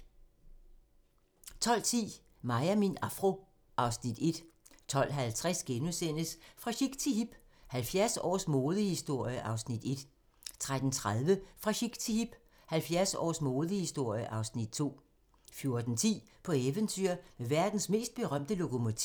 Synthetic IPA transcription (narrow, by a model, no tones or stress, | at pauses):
t͡sʰɒ̽l̰t͡sʰḭː | mɑ̈ɪæminɑfʁo̝ | ʔɑ̈ʊsnid̥e̝d̥ | t͡sʰɒ̽l̰ɦælt͡sʰʁasɡ̥enusen̰əsfʁɑ̈ɕiɡ̥t͡sʰiɦib̥ | hælfjæɐsɒ̰ːsmoːðˠəhisd̥o̝ɐ̰jəʔɑ̈ʊsnid̥e̝d̥ | t͡sʰʁad̥n̩t͡sʰʁað̞ˠʋəfʁɑ̈ɕiɡ̥t͡sʰiib̥ | hælfjæɐsɒ̰ːsmo̝ːðˠəhisd̥o̝ɐ̰jəʔɑ̈ʊsnid̥t͡sʰo̝̰ː | fjo̝ɐd̥n̩t͡sʰḭː | pʰɒ̽eʋənt͡sʰy̰ɐ̰meʋæɐd̥n̩sme̝̰ːsd̥̚b̥e̝ʁɶm̰d̥əlo̝kʰo̝mo̝t͡sʰi